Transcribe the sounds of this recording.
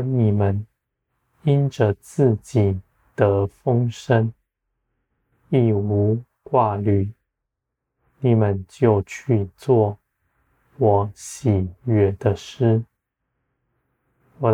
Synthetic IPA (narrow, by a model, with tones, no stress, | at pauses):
ni˨˩mə˨˦n | i˦˥nʈ͡ʂə˨t͡sɹ̩˥˩t͡ɕi˨˩ | t̪ə˧˦fə˥ŋʂə˦n | i˥˩u˧˥ | kwa˥˧ly˨˩˦ | ni˨˩mə˨˦nt͡ɕjo˥˧ʊt͡ɕʰy˥˧t͡swɔ˥˩ | wɔ˨˩˦ɕi˨˩ɥɛ˨˩d̪ə˧ʂɻ̩˥ | wɔ˨˩